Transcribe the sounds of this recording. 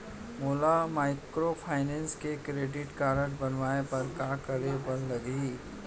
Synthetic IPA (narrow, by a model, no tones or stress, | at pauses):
moːlamaːɪkɾopʰaːɪnɛ̃ːnskekɾeːɖɪʈkaːɾəʈbɐnʋaːepɐɾkaːkəɾebɐllɐɡiː